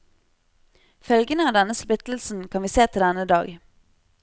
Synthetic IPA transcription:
fœlɡənəɑːʋd̪ɛnəspʏt̪l̩sn̩kʰɑnʋiːseːt̪ʰɪld̪ɛnəd̪ɑ̰ːɡ

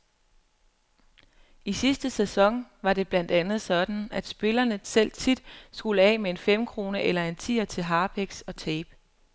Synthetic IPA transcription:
isisd̥əsesɒ̽ŋ̰ʋɑ̈ɾe̝b̥læn̰d̥ænð̞̩ˠsɒ̽d̥n̩æd̥sb̥e̝lɐnəsel̰t͡sʰid̥sɡ̥uləɛ̰ːmee̝nfem̰kʰʁo̝ːnəʔelɐe̝nt͡sʰḭːɐt͡sʰe̝lɦɑ̈ːb̥ʰeɡ̥sɒ̽t͡sʰɛːb̥

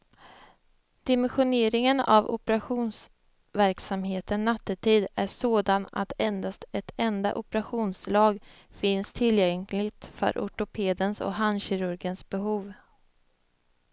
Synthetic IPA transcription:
d̪̥ɪmɛnɧʊneːɾɪŋəna̰vʊ̰pɛɾaɧuːns | væɾksamɦeːt̪ənːat̪ːət̪ʰiːd̪æʂoːd̪ana̰t̪ʰɛnd̪ast̪ɛt̪ʰɛnd̪a̰ʔʊpɛɾaɧuːnslɑːɡ | fɪnst̪ʰɪljɛŋlɪɡt̪fœ̰ɾʔʊ̰ʈʊpʰeːd̪ənsɔ̰kɦanɕɪɾɵɾɡənsbɛɦuːv

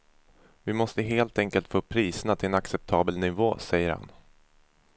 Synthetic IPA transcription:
vɪmɔst̪əɦeːlt̪ɛŋkəlt̪foːpʰɾiːsənat̪ʰɪlɛnaksɛp̚t̪ʰɑːbəlnɪvoːsɛjːəɾha̰n

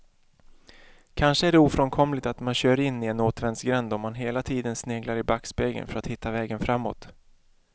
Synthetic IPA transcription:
kʰanʂəæɖɛuːfɾɔnkʰɔmlɪt̪at̪manɕœːɾɪnːɪɛnoːt̪vɛnsɡɾɛnd̪ɔmːanɦeːlat̪ʰiːd̪ənsneːɡlaɾɪbakspeːɡə̰nfœɾat̪hɪt̪ːavɛːɡənfɾamːo̰ːt̪

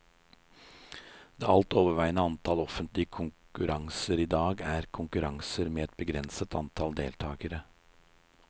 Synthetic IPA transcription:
d̪̥eːɑlt̪oːʋəʋæɪnəɑnt̪ʰɑlɔfənt̪lɪəkʰʊŋkʉɾɑŋsəɾiːd̪ɑːɡæːɾkʰʊŋkʉɾɑŋsəɾmeːɛt̪̚bəɡɾɛnsət̪ɑ̰nt̪ʰɑld̪ḛːlt̪ʰɑːɡəɾə

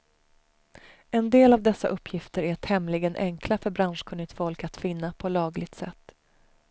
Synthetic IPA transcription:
ɛnd̪eːlavd̪ɛsːa̰ʔɵpʰːjɪft̪əɾæt̪hɛmlɪɡənʔɛŋkʰlafœɾbɾanʂkʰɵnːɪɡt̪fɔlkat̪fɪnːapʰɔlɑːɡlɪɡ̚t̪sɛ̰t̪ː

